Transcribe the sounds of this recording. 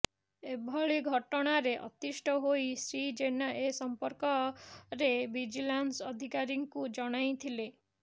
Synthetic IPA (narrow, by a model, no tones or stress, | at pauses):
ebʱɔɭiɡʱɔʈɔɽ̃aɾeʔɔ̰t̪isʈʰɔɦoisɾid͡ʒenaʔesɔmpɔɾkɔɾebid͡ʒilansɔd̪ʱikaɾiŋkud͡ʒɔɽ̃ajt̪ʰile